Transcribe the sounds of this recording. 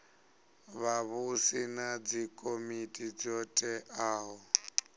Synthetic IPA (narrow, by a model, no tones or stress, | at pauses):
βaβusinad͡zikʼomitʼid͡zɔtʼɛʔaːɦɔ